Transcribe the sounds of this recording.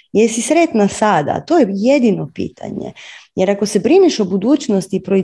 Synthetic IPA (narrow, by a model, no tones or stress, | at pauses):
jesisɾet̪nasad̪a̰t̪ojejed̪ino̞pḭːt̪ʰa̰ɲḛjeɾako̞se̞bɾiniʃo̞bud̪uːt͡ʃnost̪ipɾo̞i